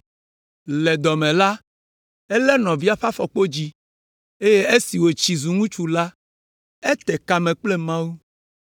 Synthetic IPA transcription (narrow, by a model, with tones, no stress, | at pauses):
lɛ˨d̪ɔ˨mɛ̃˨la˦ | ɛ˦lɛ˦nɔ̃˨vi˦a˦ɸa˦fɔ˨k͡po˦d͡ʑi˦ | e˦je˦e˦si˨wo˨t͡ɕi˨zu˨ŋũ˦t͡ʃu˨la˦ | e˦t̪ɛ˨ka˨mɛ̃˨k͡plɛ˦mã˦wu˦